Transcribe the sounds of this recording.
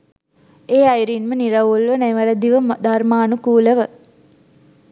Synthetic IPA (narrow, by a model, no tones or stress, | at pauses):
eːajɾinməniɾɐʋulʋənɛʋɐɾəd̪iʋəmd̪armaːnukuːləʋə